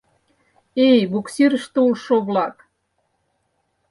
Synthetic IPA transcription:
ejbuksiɾə̆ʃt̪ĕulʃoβlɑk

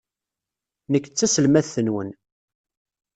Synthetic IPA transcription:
nəkːt͡sːæsəlmæθθənwən

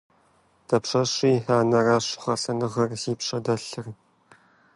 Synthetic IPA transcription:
d̥ʰɐpɕɐɕiːħaːnɐraːɕʊ̥χʷɐsɐnɨʁɐrziːpɕɐdɐɬɨr

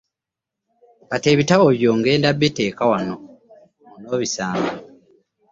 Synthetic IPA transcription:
kate̞ːβitaβo̞βjo̞ːŋɡe̞ːndabːete̞ːkawano | muno̞ːβisaːŋɡo

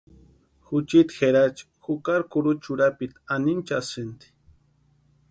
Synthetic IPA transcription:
xʊt͡ʃit̪xeɾat͡ʃi̥xukaɾkʊɾut͡ʃuɾapit̪anint͡ʃasɪnt̪i̥

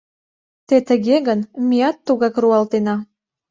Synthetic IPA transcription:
t̪et̪əɣeɣənmijɑt̪ːuɣɑkruɑlt̪enɑ

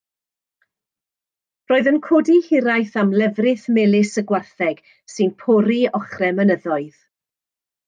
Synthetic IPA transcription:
roːɨðənkʰɔdihɪɾajθamlɛvrɪθmɛlɪsəɡwarθɛɡ̥ | sɨnpʰɔɾiɔχrɛmənəðɔɨð

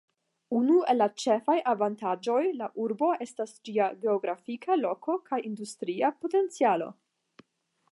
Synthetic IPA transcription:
unue̞lːat͡ʃe̞fajʔavantad͡ʒo̞jlaʔuɾbo̞e̞stasd͡ʒiaɡe̞oɡɾafikʰalo̞ko̞kajʔindustɾiapo̞te̞nt͡sialo̞̰

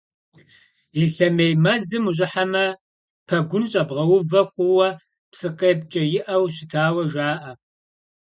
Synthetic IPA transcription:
iɬɐmejmɐzɨmuʑ̬ʷʼɪħamɐ | pʰɐɡʷʊnɕʼɐbʁɐwʊvɐχʷʊwɐ | psɨqʼeːp̚t͡ʃʼɐjɪʔɐwɕɪtʰaːwɐʒaːʔɐ

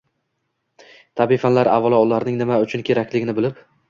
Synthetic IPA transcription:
t̪ʰabifanlaɾa̰vːɒlˠaʊlaɾnɪŋnɪmaʊt͡ʃʰʊnkʲʰe̞ɾakʲlɪɡʲɪnɪbɪlɪp

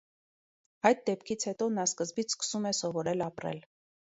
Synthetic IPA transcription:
ɑjt̪̚d̪ɛp̚kʰit͡sʰhɛt̪ɔnɑskəzbit͡sʰskə̥sumɛsɔvɔɾɛlɑpɾɛ̰l

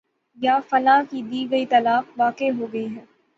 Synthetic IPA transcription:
jaːfɐlaːkid̪iːɡɐit̪ɐlaːfʋaːkeɦoːɡɐiɦɛː

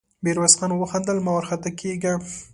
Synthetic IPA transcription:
beɾwasxɑnwəxand̪əlmawaɾxat̪akʰeɡa

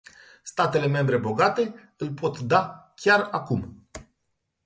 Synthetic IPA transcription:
st̪at̪e̞le̞me̞mbɾe̞bo̞ɡat̪e̞ | ɨlpo̞t̪d̪akʲarakum

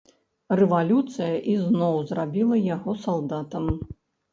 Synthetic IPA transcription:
rɛvalʲut̪sɨjɐʔiznɔwzrabʲilˠɐjaɣɔsalˠd̪at̪ɐm

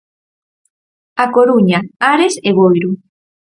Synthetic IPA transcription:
akoɾuɲaaɾeseβojɾu

